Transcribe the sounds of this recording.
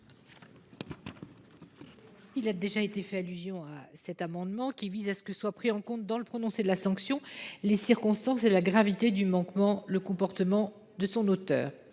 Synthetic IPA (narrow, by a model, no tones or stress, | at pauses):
ilad̪eʒaet̪efɛalyzjɔ̃asɛt̪amɑ̃d̪mɑ̃kʲivizasə̥kəswapχiɑ̃kɔ̃t̪̚d̪ɑ̃ləpχɔnɔ̃sed̪əlasɑ̃ksjɔ̃lesiʁkɔ̃st̪ɑ̃selaɡʁavit̪ed̪ymɑ̃kmɑ̃ləkɔ̃pɔʁt̪əmɑ̃ | d̪əsɔ̃not̪œ̰ːʁ